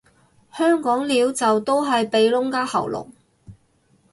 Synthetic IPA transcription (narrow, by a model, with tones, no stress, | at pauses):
hœː˥ŋkɔː˨˥ŋliː˨˧wt͡sɐ˨wt̪o˥wɦɐ˨jpe˨˧jlʊ˥ŋkaː˥hɐ̰˨˩wlʊ̰˨˩k̚